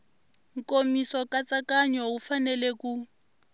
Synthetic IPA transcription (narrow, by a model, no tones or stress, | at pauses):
ŋ̩komisɔkat͡sakaɲɔufanɛlɛku